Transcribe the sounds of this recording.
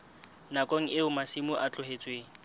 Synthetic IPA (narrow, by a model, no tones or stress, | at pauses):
nakʼoŋ̩ʔɪʊmasimʊʔat͡ɬʊhet͡sʼweːŋ̩